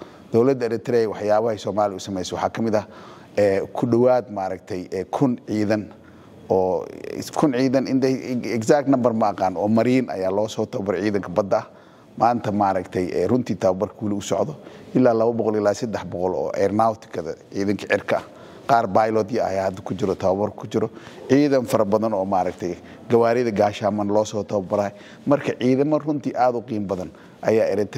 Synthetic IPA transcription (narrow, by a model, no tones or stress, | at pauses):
d̪̥ɔwlɐd̪ɛlɛt̪ʰɾɛjwɑħjaːβɐhɛsɔːmaːlɪʊsɐmɛjsɔwɑħɑːkʰɐmɪðɐ | ɛːkʰʊɖɔwaːd̪maːɾɐkt̪ʰɛjɛːkʰʊnʕiːðɐn | ɔːkʰʊnʕiːðɐnɪnd̪ɛksak̚t̪nɐmbɐrmɐːqɑːnɔːmɐɾiːnʔɐ̰jaːlɔːsɔːt̪ʰɔbɐɾʕiːðɐŋkʰɐbɐd̪ːɐɐ | maːnt̪ʰɐmaɾɐkt̪ʰɛjɛ̰rʊnt̪ʰiːt̪ʰaːbɐrkʰɐwɐlɪʊsɔ̰ʕd̪ɔʔɪlːaːlɐβɐbɔqɔlɪlaːsɐd̪ɛħbɔqɔlɔ̰ːʔɛɾnawt̪ʰɪ̥kʰɐðɐ̰ʕiːðɐŋkʰɐʕɪrkʰɐɐ | qɑːrbajlɔd̪jɐɐ̰jaːhɐd̪ɐ̥kʰʊt͡ʃɪɾɔt̪ʰɐβɐβɐrkʰʊt͡ʃɪɾɔ | ʕiːðɐnfɐɾɐbɐðɐnɔːmaɾɐkt̪ʰɛj | ɡɐwaːɾɪðɐɡaːʃaːmɐnlɔːsɔːt̪ʰɔbɐɾɐːhɛ | mɐrkʰɐʕiːðɐmɔrʊnt̪ʰiːʔaːd̪ʊqiːmbɐðɐn | ʔɐjaːɪɾɛt̪ʰ